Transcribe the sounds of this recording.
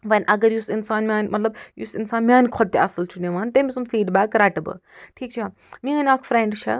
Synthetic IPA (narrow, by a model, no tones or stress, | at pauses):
ʋɐnʲʔɐɡɐɾjusinsaːnmʲaːnʲmɐt̪lɐbjṵsinsaːnmiaːnkʰɔt̪ːeɐsɨlt͡ʃʰuneʋaːnt̪emʲisund̪fiːɖbaːkɾaːʈɨbɨ̰ʈʰiːk̚t͡ʃʰa | mĩaːnaːkʰfɾeɳɖt͡ʃʰɐ̰